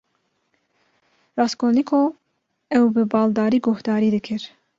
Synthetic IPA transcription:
rɑːskoːnikʰo | ɛwbɨbɑːld̪ɑːɾiːɡohd̪ɑːɾiːd̪ɨkʰɨɾ

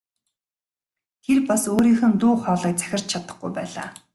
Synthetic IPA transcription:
t̪ʰerpasoːɾiːxɘ̆nt̪uːχɔːɮiːk̚t͡sæ̥xʲɪ̆r̥t͡ɕt͡ɕʰat̪ə̆χɡujpæːɮa̰ː

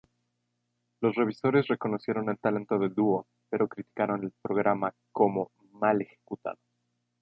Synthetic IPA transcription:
lo̞sre̞β̞iso̞ɾe̞sre̞ko̞no̞sje̞ɾo̞ne̞lt̪ale̞nt̪o̞ðe̞ld̪uo̞ | pe̞ɾo̞kɾit̪i̥kaɾo̞ne̞lpɾo̞ɣ̞ɾama | ko̞mo̞ | male̞xe̞̥kut̪a̰ðo̞

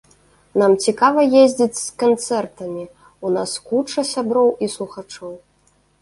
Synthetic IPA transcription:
namt͡sʲikavɐjezʲd͡zʲit͡sʲskant̪sɛrt̪ɐmʲi | unaskut͡ʂɐsʲabɾɔwislˠuxat͡ʂɔw

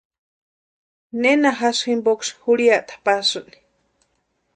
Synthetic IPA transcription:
nenaɦasximbokshuɽiaʔt̪ḁpasɨʔni̥

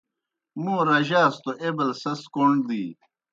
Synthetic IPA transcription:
mũːɾɐʑaːst̪oʔebɐlsɐskoɳɖd̪iː

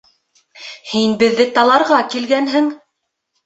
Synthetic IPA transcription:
hinbɘ̆ðːɘt̪ɑlˠɑɾʁɑkilɡænɦɘŋ

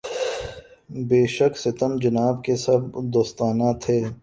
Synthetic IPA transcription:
beːʃəksɪt̪əmd͡ʒɐnaːb̚kesɐbd̪oːst̪aːnat̪ʰeː

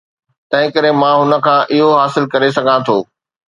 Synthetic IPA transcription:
t̪ɐ̃ɦɪ̃kɐɾemãːɦʊnə̆kʰãːʔɪɦoɦaːsɪlkɐɾes̬ɐɡʱãt̪ʰoː

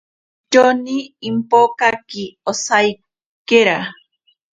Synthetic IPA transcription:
t͡ʃoniːmpokakiosaj | keɾa

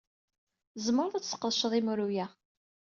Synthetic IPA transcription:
zməɾðˤæt͡sːsə̥qːəðˤʃðˤimɾujæ

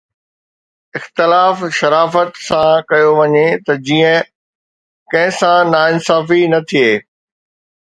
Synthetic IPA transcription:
ɪxt̪ɪlaːfʃɐɾaːfət̪sãkɐjoʋɐɲet̪ɐd͡ʑiːə̃ | kɐ̃ɦɪ̃sãnaːɪnsaːfinɐt̪ʰieː

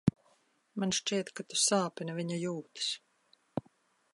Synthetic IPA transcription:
manʃt͡ʃiɛt̪kat̪u̥saːpinɐviɲajuːt̪i̥s

